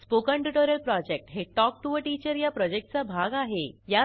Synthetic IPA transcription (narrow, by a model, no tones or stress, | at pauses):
spokə̃ɳʈuʈoɾəlpɾɔd͡ʑek̚ʈɦeʈɔk̚ʈuʋəʈit͡ɕəɾjapɾɔd͡ʑek̚ʈ̚t͡sabʱaɡaɦeja